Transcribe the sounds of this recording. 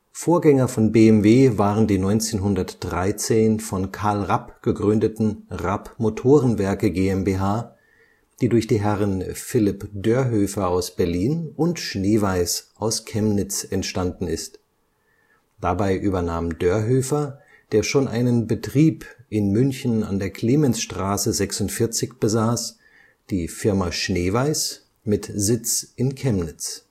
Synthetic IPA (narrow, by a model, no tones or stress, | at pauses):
foːɐɡɛŋɐfɔnbeːɛmveːvaːʁəndiːnɔʏnt͡seːnɦʊndɐtd̥ʁaɪt͡seːnfɔnkʰaɐlʁapɡ̥əɡʁʏndətn̩ʁapmotʰoːʁənvɛɐkəɡeːɛmbeɦaː | d̥iːdʊɐçd̥iːɦɛʁənfɪlɪpdøːɐɦøːfɐaʊsb̥ɛɐliːnʊntʃneːvaɪsʔaʊskʰɛmnɪt͡sɛntʃtandn̩ɪst | d̥abaɪʔyːbɐnaːmdøːɐɦøːfɐ | d̥eːɐʃoːnʔa̰ɪnənbətʁ̥iːpʔɪnmʏnçn̩a̰ndeːɐkʰl̥eːmɛnsʃtʁ̥aːsəzɛksʊntfɪɐt͡sɪçb̥əzaːs | d̥iːfɪɐmaʃneːvaɪs | mɪtzɪt͡sʔɪnkʰɛmnɪt͡s